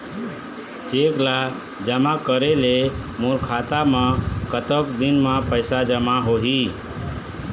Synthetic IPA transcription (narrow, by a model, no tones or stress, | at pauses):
d͡ʒekla | d͡ʒəmakəɾelemuɾkʰat̪amə̃kət̪əkd̪inməpəɪsad͡ʒəmaɦoɦi